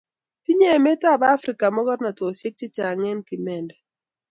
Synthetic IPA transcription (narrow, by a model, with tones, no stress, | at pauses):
ti˦ɲe˦˨mɛ˦ta˦˨baː˦fɾi˨ka˨mɔ˦ɡɔ˦ɾna˨twɔ˨sɪ˦k̚t͡ʃɪ˦t͡ʃa˨ŋɛ˦nki˨mɛ˨ndɛ˨